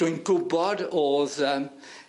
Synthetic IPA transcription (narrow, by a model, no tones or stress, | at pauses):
ʊɨnɡʊbɔdoðə